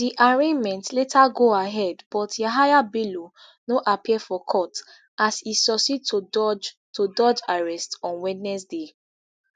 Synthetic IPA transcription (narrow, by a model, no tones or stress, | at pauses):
diʔaɹẽnmɛ̃ntletʰaɡoaɦɛdbɔtjaɦajabilo | noʔapiɛfɔkʰɔt | asisɔsitod͡ʒ | todɔd͡ʒaɹɛstɔ̃nwidnɛsde